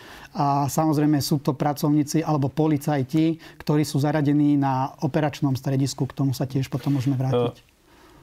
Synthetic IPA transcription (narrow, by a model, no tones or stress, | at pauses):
asamɔzɾɛjmɛsuːt̪ɔpɾat͡sɔʊɲiːt͡siʔalɛbɔpɔlit͡sajcikt̪ɔɾiːsuːzaɾaɟɛniːnaɔpɛɾat͡ʃnɔmst̪ɾɛɟiskukt̪ɔmusacɪɛʃpɔt̪ɔmːʊɔʒɛmɛʋɾaːcic